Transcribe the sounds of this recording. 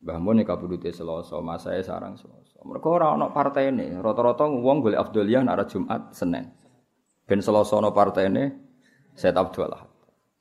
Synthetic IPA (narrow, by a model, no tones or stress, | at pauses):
b̥amʊnekabudut̪esəlɔsɔ̰masa̰esa̰ɾa̰ŋsəlɔsɔmə̰rkɔoɾaŋɔnɔʔpart̪ɛnḛrɔt̪ɔɾɔt̪ɔŋuwɔŋɡoleʔaf̚d̪oliana̰ɾad̥ʒ̥ṳmʔa̰t̪̚sənɛ̰ŋ | b̥ɛ̤nsəlɔsɔnɔʔpart̪ɛine | sɛt̪ap̚d̪̥uala̰hat̪̚